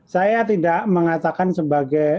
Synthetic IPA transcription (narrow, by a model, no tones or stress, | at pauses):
sajat̪idaʔməŋat̪akansəbaɡaj